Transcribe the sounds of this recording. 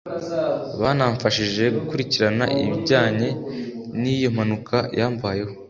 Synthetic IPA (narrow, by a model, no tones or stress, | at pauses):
βaːnaɱfaʃiʒe̞ɡukuɾiciɾanaʔḭβiɟaːɲe̞nijom̥hanukʰajʔaːɱvaːje̞ho̞